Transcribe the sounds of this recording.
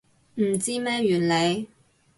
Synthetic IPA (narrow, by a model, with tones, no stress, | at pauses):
m̩˨˩t͡siː˥mɛː˥jyː˨˩nle˨˧j